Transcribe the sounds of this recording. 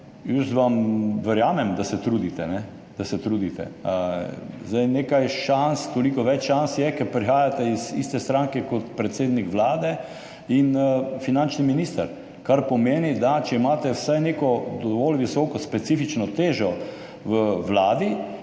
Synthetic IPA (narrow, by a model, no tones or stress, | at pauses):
jəsʋamʋɛɾjaːmɛmd̪asɛt̪ɾuːd̪it̪ɛnɛ | d̪̥asɛt̪ɾuːd̪it̪ɛ̰ | zd̪ajnekajʃanst̪olikɔʋɛt͡ʃʃansjɛkɛɾpɾixaːjat̪ɛizist̪ɛst̪ɾãŋkɛkɔt̪pɾɛt̪seːd̪nikʋlaːd̪ɛ | infinant͡ʃniminiːst̪əɾ | kaɾpɔmeːnid̪at͡ʃɛimaːt̪ɛwsajnekɔd̪ɔʋɔlʋisɔːkɔspɛt̪sifit͡ʃnɔt̪eːʒɔ | ʋəʋlaːd̪i